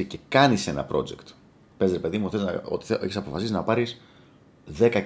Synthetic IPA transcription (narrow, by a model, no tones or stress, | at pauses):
ice̞kɐnise̞nɐ̰pɾo̞̰d͡zekt̪ | pe̞zɾepe̞ðimuxtezo̰t̪i̥eçisɐpo̞fɐsisinɐpɐɾis | ðe̞kɐ